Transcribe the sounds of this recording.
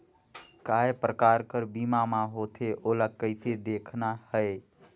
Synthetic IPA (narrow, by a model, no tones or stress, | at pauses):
kaɦepɾəkaɾkəɾbimamaɦot̪ʰeʔolaɡ̚kːəɪt̪ʰed̪ekʰnahəe